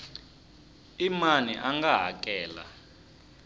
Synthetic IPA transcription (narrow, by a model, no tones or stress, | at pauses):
imaniʔaŋɡaɦa̰k̬ʼɛːla̰